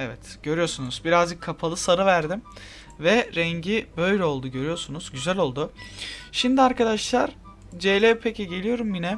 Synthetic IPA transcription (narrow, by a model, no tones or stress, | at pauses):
evɛt̪ɟ̥ø̞ɾyjo̞ɾsunuzbiɾazd͡ʒɯkʰːapʰalˠɯsaɾɯvæɾd̪im | vɛɾɛɲɟibø̞jlʲɛo̞lˠd̪uɟø̞ɾijo̞ɾsunuzɟyzælʲo̞lˠd̪ʊʃimd̪iaɾkad̪aʃlˠaɾ̥ | d͡ʒelʲɛpʰeciɟe̞lijo̞ɾumbinɛ